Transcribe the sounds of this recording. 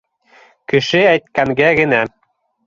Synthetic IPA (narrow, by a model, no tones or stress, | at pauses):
kɘ̆ʃɘæjt̪̚kæŋɡæɡɘ̆næ